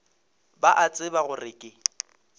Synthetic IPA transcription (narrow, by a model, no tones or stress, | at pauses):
baʔat͡sʼɪbaɣʊrɪkʼɪ